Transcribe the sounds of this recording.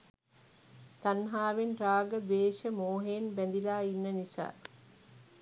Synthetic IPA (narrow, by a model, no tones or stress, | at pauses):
t̪anɦaːʋenraːɡəd̪eːʃəmoːɦeːnbænd̪ilaːinːənisa̰ː